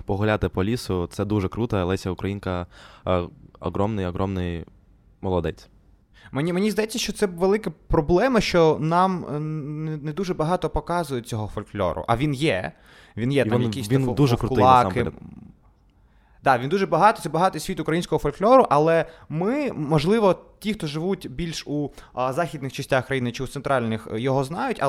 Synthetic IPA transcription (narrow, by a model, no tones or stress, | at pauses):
pɔɦʊlʲat̪ɪpɔlʲisʊt̪sɛd̪uʒɛkɾut̪ɛɐlˠɛsʲɐʊkɾɐjinkɐ | ɔ̰ɦɾɔmnɪjɔɦɾɔmnɪj | mɔlˠɔd̪ɛt͡sʲ | menʲimenʲizd̪ɐjɛt͡sʲːɐʃt͡ʃɔt̪sɛʋelˠɪkɐpɾɔblˠɛmɐʃt͡ʃɔnɑmnned̪uʒɛbɐɦɑt̪ɔpɔkɑzʊjɛt͡sʲɔɦɔfɔlʲklʲɔ̰ɾʊ̰ʔɐʋʲinjɛ | ʋinjɛt̪amjɐkʲistʋind̪uʒɛkɾʊtʊlɪɑ̰kɪ | d̪̥ɑʋʲind̪uʒɛbɐɦɑt̪ɔt̪sɛbɐɦɑt̪ɔjsʲʋʲit̪ʊkɾɐjinʲsʲkɔɦɔfɔlʲklʲɔɾʊʔɐlˠɛmɪmɔʒlˠɪʋɔtʲixt̪ɔʒɪʋutʲbʲilʲʃuzɑxʲid̪nɪxt͡ʃɐsʲtʲaxkɾɐjinɪt͡ʃɪut̪seɛnt̪ɾɑlʲnɪxjɔɦɔznɑjʊtʲɐ̰